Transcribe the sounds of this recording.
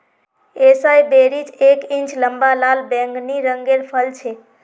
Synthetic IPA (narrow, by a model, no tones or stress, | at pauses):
esajbeɾit͡ʃekint͡ʃləmbalalbɛ̃ŋɡniɾəŋɡelpʰəlt͡ʃʰe